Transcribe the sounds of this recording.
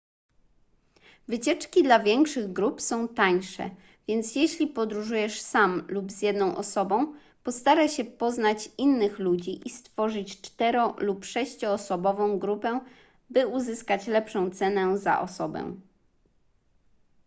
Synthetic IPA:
vɘt͡ɕɛt͡ʂkʲid̪lavʲjɛŋkʂɘɣɡɾupsɔ̃w̃t̪aɲʂɛ̰ | vʲjɛnt̪sjɛɕlʲipɔd̪ɾuʐujɛʂsamlubzjɛd̪nɔ̃w̃ʔɔsɔbɔ̃w̃ | pɔst̪aɾaɕɛpɔznat͡ɕinːɘxlud͡ʑiʔist̪fɔʐɘt͡ɕt͡ʂt̪ɛɾɔlupʂɛɕt͡ɕɔːsɔbɔvɔ̃w̃ɡɾupɛ | bɘuzɘskat͡ɕlɛpʂɔ̃w̃t̪sɛnɛza̰ʔɔ̰sɔbɛ̰

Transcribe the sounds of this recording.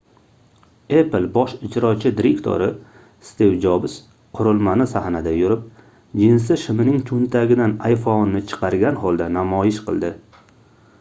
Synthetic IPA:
eplˠbɒʃɪd͡ʒɾɒt͡ʃʰɪd̪ɪɾekt̪ʰo̰ɾɪ | st̪ewd͡ʒɒbs | qʰʊɾʊlˠmanɪsahnad̪ajʊɾɪp̚ | d͡ʒɪnsɪʃɪmɪnɪŋt̪ʰʊnt̪ʰaɡʲɪd̪anajfonːɪt͡ʃʰɨ̥qʰɑɾɡʲanhɒlˠd̪anamɒjɪʃqʰɨ̰lˠd̪ɪ

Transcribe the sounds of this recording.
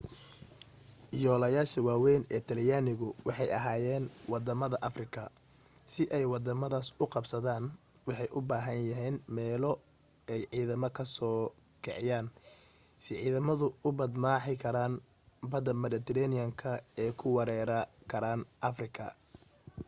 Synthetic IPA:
jɔːlɐjaːʃɐwaːwɛjnɛːt̪ʰɐljaːnɪɣʊwɑħɑjɐ̰ɦaːjɛːnwɑd̪ɐmɐðɐʔɐfrɪkʰɐ | sɪʔɛjwɑd̪ɐmɐðaːsʊqɑbsɐðaːn | wɑħɑjʔʊbaːɦɐnjɐɦɛːnmɛːlɔ | ɛjʕiːðɐmɔkʰɐsɔː | kʰɛʕɪjaːn | sɪʕiːðɐmɐðʊʊbɐd̪maːħɪkʰɐɾaːn | bɐd̪ɐmɐɾɪt̪ʰɛɾɛnɪjɐŋkʰɐɛːkʰʊwɑɾɛːɾɐkʰɐɾaːnʔɐfrɪkʰɐ̰

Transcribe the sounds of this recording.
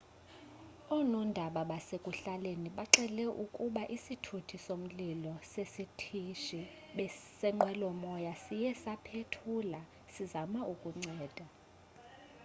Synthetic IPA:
ɔnɔndʱaɓaɓasekʼuɬaleniɓaǁɛlɛʔukʼuɓaʔisitʰutʰisom̩lilɔsesitʰiʃi | ɓɛsɛŋ͡ǃɛlɔmɔjasijɛsapʰetʰula | sizamaʔukʼuŋ͡ǀɛːd̥ʱa

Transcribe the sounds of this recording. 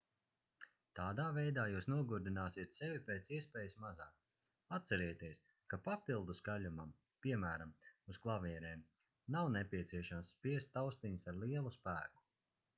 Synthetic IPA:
t̪aːd̪aːvɛjd̪aːjuːsnuɔɡuɾd̪inaːsiɛt̪sɛvʲipeːt̪siɛspɛːjsmazaːk̚ | at̪t̪sɛɾɛːjt̪iɛs | kapapilˠd̪usɡaʎʲumam | piɛmæːɾamusklˠavʲiɛɾɛːm | nawnɛpʲiɛt̪siɛʃamsːpiɛst̪ːawst̪iɲsaɾlˠiɛlˠuspæːku̥

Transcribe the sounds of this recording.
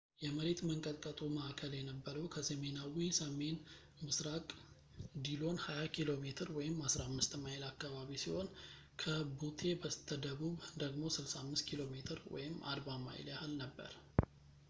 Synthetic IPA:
jɛməɾet̪məŋkʼət̪ʼkʼət̪ʼuməʔakʰəljɛnəbːəɾəwkʰəsəme̞nawisəme̞n | mɨsɾakʼ | d̪ilo̞nhajakʰilo̞met̪ʰɨɾwɔjɪmhasɾamːɨst̪majɪlakːaβaβisiho̞n | kʰəbut̪ʰe̞bət̪ʰːəd̪əβuβd̪əɡmo̞sɨlsamːɨst̪̚kʰilo̞met̪ʰɨɾwɔ̰jɪmːa̰ɾβama̰jɪ̰ljahɨlnəbːə̰ɾ

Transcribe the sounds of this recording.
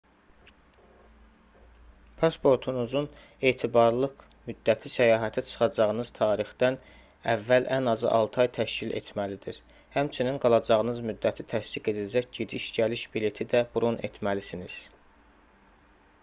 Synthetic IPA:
pʰɑspʰo̞ɾt̪ʰunuzun | e̞ːt̪ʰibɑɾlˠɯq | myd̪ːæt̪ʰisæjɑːɦæt̪ʰæt͡ʃʰɯ̥χɑd͡ʒɑʁɯnɯz̥t̪ʰɑːɾixd̪̥æn | ævːælʔænɑzɯ̰ʔɑ̰lˠt̪ʰɑjt̪ʰæʃcilḛt̪ʰmælid̪iɾ | hæmt͡ʃʰininɡɑlˠɑd͡ʒɑʁɯnɯzmyd̪ːæt̪ʰit̪ʰæst̪iɡe̞d̪ilæd͡ʒæcɟed̪iʃɟæliʃbile̞t̪ʰid̪æb̥uɾunʔḛt̪ʰmælisiniz̥

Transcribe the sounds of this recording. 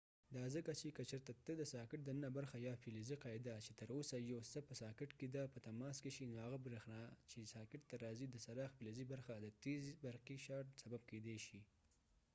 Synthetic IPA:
d̪ɑzəkat͡ʃekət͡ʃəɾt̪at̪əd̪əsɑkɪʈ̚d̪anənabaɾxajɑfiliziqɑɪd̪at͡ʃet̪əɾosajawsəpəsɑkɪʈked̪apət̪amɑskeʃinohaɣabɾexnɑt͡ʃesɑkɪʈ̚t̪aɾɑzid̪əsaɾɑxpilezibaɾxad̪ət̪ezibaɾqiʃɑʈsabab̚ked̪eʃi

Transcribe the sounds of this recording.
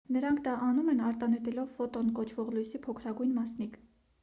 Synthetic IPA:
nəɾɑŋkʰd̪ɑʔɑnumɛnɑɾt̪ɑnɛt̪ɛlɔvfɔt̪ɔnkɔt͡ʃʰvɔʁlujsipʰɔkʰɾɑɡujnmɑsnik

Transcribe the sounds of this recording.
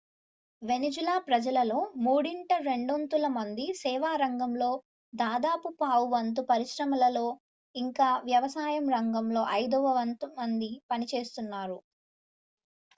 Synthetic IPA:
ʋe̞nid͡ʒulaːpɾɐd͡ʒɐlɐlo̞ːmuːɽiɳʈɐɾe̞ɳɖont̪ulɐmɐnd̪isɛːʋaːɾɐŋɡɐmlo̞ː | d̪aːd̪aːpupaːʋuʋɐnt̪̬upɐɾiʃɾɐmɐlɐlo̞ː | iŋkaːʋjɐʋɐsaːjɐmɾɐŋɡɐmlo̞ːʔɐjd̪ɔʋɐʋɐnt̪umɐnd̪ipɐnit͡ʃe̞ːst̪unːaːɾu

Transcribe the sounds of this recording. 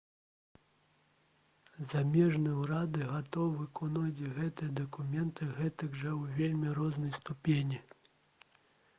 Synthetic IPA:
zamʲɛʐnɨjɐwɾad̪ɨɣat̪ɔwvɨkɔnɔd͡zʲiɣɛt̪ɨjɐd̪ɐkumʲɛnt̪ɨɣɛt̪ɨɡʐɐwvʲelʲmʲiɾɔznɐjst̪upʲenʲi

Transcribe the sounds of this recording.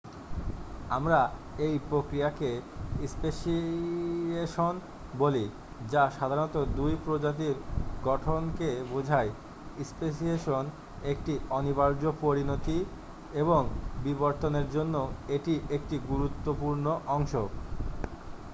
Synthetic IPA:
amɾa | ejpɾokɾiakeispeʃi | eʃon | boli | d͡ʑaʃad̪ʱaɾnɔt̪od̪ujpɾod͡ʑat̪̬iɾɡɔʈʰonkebod͡ʑʱaj | ispeʃ̬ieʃon | ek̚ʈiɔnibaɾd͡ʑopoɾinot̪i | eboŋbiboɾt̪oneɾd͡ʑonːoeʈiʔekʈiɡuɾut̪ːopuɾnoʔɔŋʃo

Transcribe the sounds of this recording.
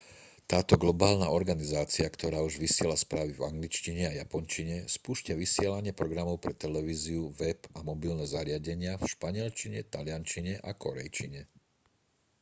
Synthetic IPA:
t̪aːt̪ɔɡlɔbaːlnaɔɾɡanizaːt͡siakt̪ʰɔɾaːuʒʋisɪɛlaspɾaːʋivaŋɡlit͡ʃciɲɛajapɔnt͡ʃiɲɛspuːʃcaʋisɪɛlaɲɪɛpɾɔɡɾamɔʊpɾɛt̪ɛlɛʋiːziuʋɛpamɔbilnɛzaɾɪaɟɛɲɪafʃpaɲɪɛlt͡ʃiɲɛt̪alɪant͡ʃiɲɛʔakɔɾɛ̰jt͡ʃiɲɛ

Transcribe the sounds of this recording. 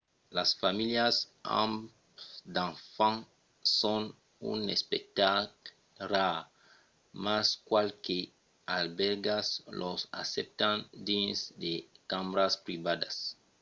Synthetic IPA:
lasfamiljasã̰m | d̪ãnfãŋ | sõn | ṵnespek̚t̪ak | ra | maskwalke | albɛɾɡaslosa̰sɛp̚t̪ãnd̪ĩnsd̪ekãmɾaspɾibad̪as

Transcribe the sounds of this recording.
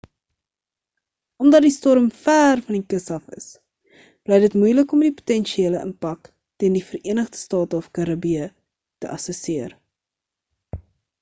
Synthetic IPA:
ɔmdɐt̚distɔɾəmfæːrfɐnikəsɐfə̰s | b̥lɛjdətmujləkɔmdipu̥tɛnʃieːləʔə̰npɐk | tiəndifəriənəχdə̥stɑːtəɔfkɐɾɐbiə | təʔɐsəsiər

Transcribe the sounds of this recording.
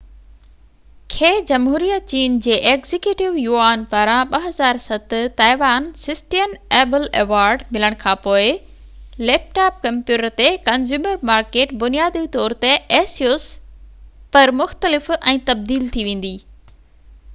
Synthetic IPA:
kʰeːd͡ʑɐmɦuːɾijət̪̚t͡ɕiːnd͡ʑeːʔeːɡzɪkjuːʈɪʋjuːaːnpaːɾãɓɐɦɐzaːɾsɐt̪ʊ̆t̪aːɪʋaːnsɪsʈijəneːbɪleːʋaːɾɖmɪləɽ̃kʰãːpoːɪ | leːp̚ʈaːp̚kɐ̃mpjuːʈəɾt̪ekɐnzuːməɾmaːɾkeːʈbʊnijaːd̪it̪ɔːɾt̪eeːsioːs | pɐɾmʊxt̪əlɪfɛ̃ːt̪ɐb̚d̪iːlt̪ʰiʋẽːn̆d̪iː

